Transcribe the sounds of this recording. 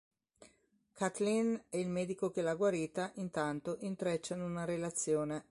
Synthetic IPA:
kʰat̪linɛilmɛːd̪ikokelaɡwaɾiːt̪aʔint̪ant̪oʔint̪ɾet͡ʃːanunaɾelat̪sːjoːne

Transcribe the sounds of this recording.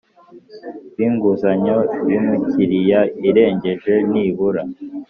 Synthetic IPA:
βiːŋɡuzaɲoβimuciɾijaiɾe̞ːɲɟe̞ʒwe̞niːβuɾa

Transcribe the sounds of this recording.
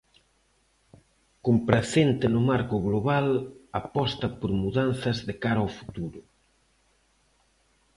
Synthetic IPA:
kompɾaθent̪ɪnʊmaɾkʊɣloβalapɔst̪ɐpoɾmuðanθɐzðekaɾawfu̥t̪uɾʊ

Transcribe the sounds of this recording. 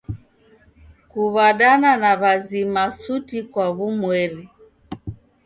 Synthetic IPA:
kuβaɗananaβazimasutikwaβumwɛɾi

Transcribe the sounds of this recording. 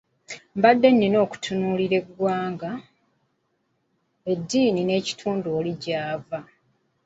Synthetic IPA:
mbadːe̞nːino̞ːku̥tʰunuːliɾe̞ɡwaːŋɡa | e̞dːiːnine̞ːci̥tʰuːnduoliɟaːva

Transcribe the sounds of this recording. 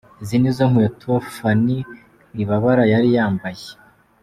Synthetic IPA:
zinizoŋhujatuofani | iβaβaɾajaɾijaːmbaje

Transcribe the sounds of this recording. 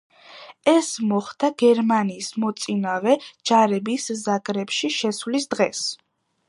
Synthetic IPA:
ɛsmɔχd̪aɡ̥ɛɾmaniːsmɔt̪sʼinavɛd͡ʒaɾɛbiszakʼɾɛpʃiʃɛswlisd̪ʁɛs

